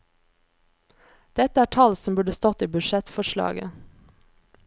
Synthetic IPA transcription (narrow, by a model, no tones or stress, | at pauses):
d̪̥ɛt̪əæːʈʰɑlsɔmbʉɖəst̪ɔt̪iːbʉʃɛt̪fɔʃlɑ̰ːɡə̰